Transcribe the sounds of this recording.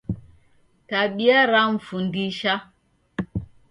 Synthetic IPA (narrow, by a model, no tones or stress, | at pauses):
taɓiaɾamfundiʃa